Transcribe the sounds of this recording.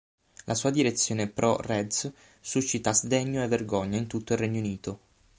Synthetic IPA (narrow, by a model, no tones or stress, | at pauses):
lʔasuːad̪iɾet̪sːjoːnepɾʔɔrɛd̪s | suʃːit̪azd̪eɲːoevːerɡɔɲːaint̪ut̪ːoilrɛɲːouniːt̪o